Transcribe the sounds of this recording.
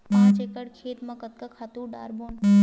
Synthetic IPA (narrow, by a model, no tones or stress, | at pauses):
pãːt͡ʃekəɽkʰeːt̪mɐ̃kət̪̚kakʰaːt̪uːɖa̰ːɾboːn